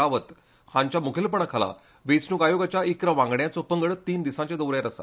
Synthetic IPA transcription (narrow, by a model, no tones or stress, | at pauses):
aʋət̪ | hãɲt͡ɕjamukʰilpəɳakʰala̰ | ʋet͡snuːkajoɡat͡ɕjaʔikɾəʋãŋɡɳjat͡sopəŋɡəɭt̪iːnd̪isãɲt͡ɕad̪əwɾjaɾəsa̰